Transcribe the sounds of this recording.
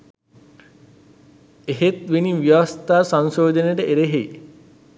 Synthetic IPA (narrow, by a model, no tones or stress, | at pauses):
eɦet̪ʋiniʋjɐʋɐst̪aːsansoːd̪ʱəneʈəʔeɾeɦej